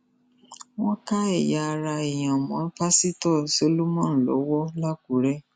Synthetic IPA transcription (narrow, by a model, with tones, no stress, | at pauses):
w̃ɔ̃˦ka˦ɛ˦˨ja˧ɾa˧e˨j̃ã˨mɔ̃˨˦pa˦si˦tɔ˦˨si˨˦o˦lu˦mɔ̃˦˨lɔ̰˨˦wɔ˦la˦ku˨˦ɾɛ˦